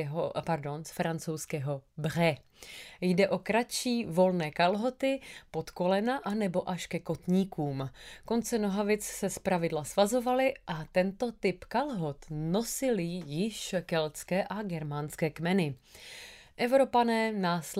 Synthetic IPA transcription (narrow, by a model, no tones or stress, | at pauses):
ɦopaɾdo̞nsfɾant͡so̞wskɛːɦo̞br̝ɛ | jdɛʔo̞kɾat͡ʃiːvo̞lnɛːkalɦo̞t̪ɪpo̞t̪ko̞lɛnaʔanɛbo̞ʔaʃkɛko̞t̪ɲiːkuːmko̞nt͡sɛno̞ɦavɪt͡ssɛspɾavɪdlasvazo̞valɪʔat̪ɛnt̪o̞t̪ɪpkalɦo̞t̪no̞sɪlɪjɪʃkɛlt͡skɛːʔaɡɛɾmanskɛːkmɛnɪ | ʔɛvɾo̞panɛːnaːs